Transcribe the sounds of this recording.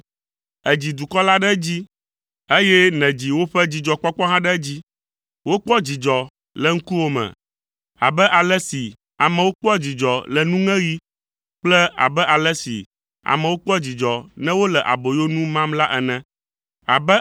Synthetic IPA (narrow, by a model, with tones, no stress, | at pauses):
ɛ˨d͡ʑi˨d̪u˨kɔ˦la˦ɖɛ˦d͡ʑi˦ | e˦jɛ˦nɛ̃˨d͡ʑi˨wo˦ɸɛ˦d͡ʑi˨d͡ʒɔ˨k͡pɔ˦k͡pɔ˦ɦã˦ɖɛ˦d͡ʑi˦ | wo˦k͡pɔ˦d͡ʑi˨d͡ʒɔ˨ | lɛ˨ŋ̩˦ku˦wo˦mɛ̰̃˨ | a̰˨bɛ˦ʔa˨lɛ˦si˨ | a˨mɛ̃˨wo˦k͡pɔ˦d͡ʑi˨d͡ʒɔ˨lɛ˨nũ˦ŋɛ̃˦wi˦ | k͡plɛ˦a̰˨bɛ˦ʔa˨lɛ˦sḭ˨ | a̰˨mɛ̃˨wo˦k͡pɔ˦d͡ʑi˨d͡ʒɔ˨nɛ̃˦wo˦lɛ˨ʔa̰˨bo˨jo˦nũ˦mã˦mla˦ʔɛ˨nɛ̃˨ | a̰˨bɛ˦